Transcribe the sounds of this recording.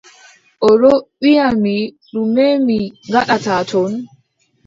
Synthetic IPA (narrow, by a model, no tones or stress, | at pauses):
ʔɔɾɔɓijami | ɾumemiŋɡaɗatatʰɔn